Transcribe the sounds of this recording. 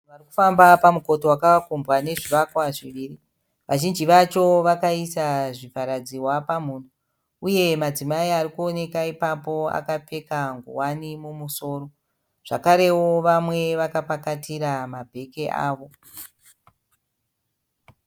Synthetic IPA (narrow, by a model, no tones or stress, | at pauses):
ʋariku̥fambapamuko̞towakakumbwane̞ʐiʋakwaʐiʋiːri | ʋʔaʒind͡ʒiʋat͡ʃo̞ʋakaisaʐipaɾad͡ziwapamun̤u | uje̞mad͡zimaiarikuo̞ne̞kaipapo̞a̰kap͡fe̞kaŋɡṵwanimumuso̞ro̞ | ʐ̥akaɾe̞woʋamwe̞ʋakapakatiɾamabʱe̞ke̞ʔa̰ːʋo̞